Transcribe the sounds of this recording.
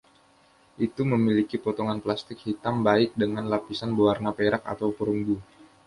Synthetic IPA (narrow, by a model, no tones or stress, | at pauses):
ʔit̪uməmilikipot̪oŋanplast̪ɪk̚hit̪ambaɪk̚dəŋanlapisanboarnapeɾaka̰t̪awpəɾuŋbu